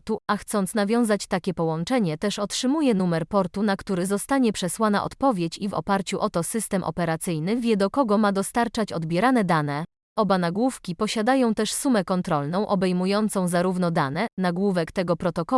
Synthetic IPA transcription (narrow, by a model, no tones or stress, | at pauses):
t̪uaxt̪sɔnt̪snavʲjɔ̃w̃zat͡ɕt̪akʲɛpɔwɔnt͡ʂɛɲɛt̪ɛʂɔtʂɘmujɛn̪umɛɾpɔɾt̪unakt̪uɾɘzɔst̪aɲɛpʂɛswana̰ʔɔ̰t̪pɔvʲjet͡ɕivɔ̰paɾt͡ɕuʔɔt̪ɔsɘst̪ɛmʔɔ̰pɛɾat̪sɘjnɘvʲjɛd̪ɔkɔɡɔmad̪ɔst̪aɾt͡ʂat͡ɕɔd̪bʲjɛɾanɛd̪anɛ | ɔbanaɡwufkʲipɔɕad̪ajɔ̃w̃t̪ɛʂsumɛkɔnt̪ɾɔlnɔ̃w̃ʔɔbɛjmujɔnt̪sɔ̃w̃zaɾuvnɔd̪anɛnaɡwuvɛkt̪ɛɡɔpɾɔt̪ɔkɔ